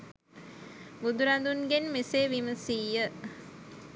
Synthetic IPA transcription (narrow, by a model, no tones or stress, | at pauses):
bud̪uɾɐnd̪unɡenmeseːʋiməsiːjə